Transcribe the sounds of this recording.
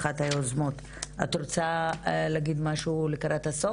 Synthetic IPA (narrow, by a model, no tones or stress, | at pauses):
χat̪hajuozmot̪ | a̰t̪ɾot͡saleaɡid̪maʃulekaɾat̪haso